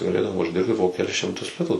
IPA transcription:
ɡɐˈlʲeːdɐʋoː ʊʒʲˈdʲɪrʲpʲtʲɪ poː kʲɛˈlʲɪs ʃʲɪmˈtʊs ˈlʲɪtuː

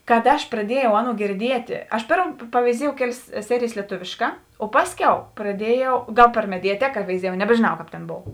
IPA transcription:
kɐt ˈɐʃ prɐˈdʲiɛjɛʊ ˈɑːˌnuɔ ɡʲɪrʲˈdʲiɛtʲeː ˈɐʃ ˈpʲeːrm pɐʋʲɛɪˈzʲiɛjɛʊ ˈkʲæːˌlʲeːs ˈsʲæːrʲɪjeːs lʲiɛˈtʊʋʲeːʃˌkɑː oː ˈpɑːsʲˌkʲɛʊ prɐˈdʲiɛjɛʊ ˈɡɐlˠ pʲɛr mʲɛdʲɛˈtʲæːkɐ ʋʲɛɪˈzʲiɛjɛʊ nʲɛbʲɛʒʲeːˈnɐʊ ˈkɑːp tʲeːn ˈboːw

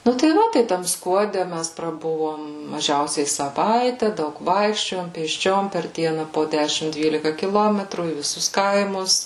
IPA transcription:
ˈnʊ tɐɪ ˈʋɐ ˈtɐɪ tɐm skuɔˈdʲɛ ˈmʲæs prɐˈbʊʋoːm mɐˈʒʲɛʊsʲɛɪ sɐˈʋɐɪtʲæː ˈdɐʊk ˈʋɐɪkʃʲt͡ʃʲoːjoːm pʲeːsʲˈt͡ʃʲoːm pʲɛr ˈdʲiɛnɐ poː ˈdʲæːʃʲɪm ˈdʲʋʲiːlʲɪkɐ kʲɪˈlˠoːmʲɛtruː iː ʋʲɪˈsʊs ˈkɐɪmʊs

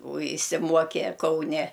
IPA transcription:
oː ɪʃʲsʲɪˈmuɔkʲɛ kɐʊˈnʲɛ

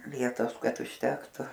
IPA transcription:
ˈʋʲiɛtoːs ˈkɐt ʊʃʲˈtʲæːktʊ

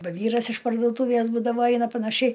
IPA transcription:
ˈbɐ ˈʋʲiːrɐs ɪʃ pɐrduɔˈtuːʋʲeːs ˈbuːdɐʋoː ˈɐɪnɐ pɐnɐˈʃʲɛɪ

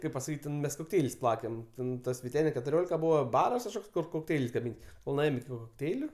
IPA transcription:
ˈkɐɪp pɐsɐˈkʲiːtʲ ˈtʲɛn mʲɛs koːkˈtʲɛɪlʲsʲ ˈplˠɑːkʲɛm ˈtʲɛn ˈtɐs ʋʲɪˈtʲæːnʲɛ kʲɛtʊˈrʲoːlʲɪkɐ ˈbuːʋɐ ˈbɑːrɐs kɐʃˈkoːks kʊr koːkˈtʲɛɪlʲsʲ ɡɐˈmʲiːn koːlˠ nʊˈeːjoːm ɪkʲɪ koːkˈtʲɛɪlʲʊ

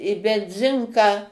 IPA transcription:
ɪ bʲɛnʲˈzʲɪŋkɑː

